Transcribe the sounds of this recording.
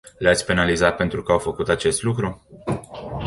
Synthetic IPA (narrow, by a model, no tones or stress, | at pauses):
lat̪sʲpe̞nalizat̪̚pe̞nt̪ɾukəawfəkut̪at͡ʃe̞st̪lukɾu